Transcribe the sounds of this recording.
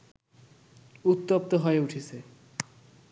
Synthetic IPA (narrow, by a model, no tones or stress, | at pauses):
ut̪ːop̚t̪oɦɔeuʈʰit͡ɕʰe